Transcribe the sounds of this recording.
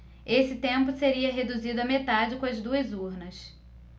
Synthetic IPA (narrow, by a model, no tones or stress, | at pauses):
esɪt̪ẽmpʊseɾiɐɦed̪uzid̪ʊɐmet̪ad͡ʒɪkõɐzd̪uɐzuɾnɐs